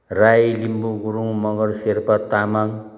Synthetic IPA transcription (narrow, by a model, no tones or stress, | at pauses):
rajlimbuɡuɾuŋmʌɡʌɾseɾpʌt̪amaŋ